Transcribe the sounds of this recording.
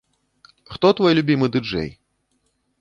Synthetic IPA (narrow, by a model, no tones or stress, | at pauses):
xt̪ɔt̪vɔjlʲubʲimɨd̪ɨd͡ʐɛ̰j